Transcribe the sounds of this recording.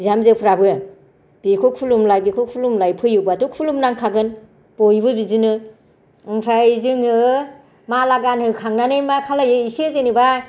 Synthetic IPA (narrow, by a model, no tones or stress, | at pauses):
bizamzɯpʰɾabɯ | b̥ikʰukʰulumlajbikʰuk̚ʰulumlajpʰɯjɯbatukʰulumnaŋkʰaɡɯn | b̥ojbɯbizɯnɯ | ɯŋsʰajzɯŋɯ | malaɡanhɯkʰaŋnanɯjmakʰalajɯisezeniba